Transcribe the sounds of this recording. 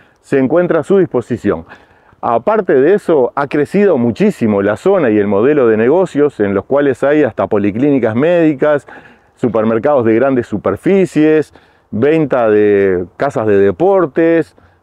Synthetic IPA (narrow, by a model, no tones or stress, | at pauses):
seːŋkwe̞nt̪ɾasuðispo̞sisjo̞̰ŋ | a̰paɾt̪eðeeso̞akɾesið̞o̞mut͡ʃisimo̞laso̞naje̞lmo̞ð̞e̞lo̞ð̞e̞neɣo̞sjo̞se̞nlo̞skwalesajast̪apo̞liklinikazmeð̞ikasː | upeɾmeɾkaðo̞zð̞e̞ɣɾand̪esːupeɾfisjes | βejnt̪aðekasazðe̞ðepo̞ɾt̪es